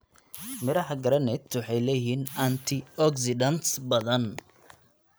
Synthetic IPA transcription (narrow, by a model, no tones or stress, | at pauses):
mɪɾɑħɡɐɾɐnɛt̪wɑħɑjlɛjɪɦiːnɐnt̪ʰɪɔɡsɪd̪ɐnsbɐðɐn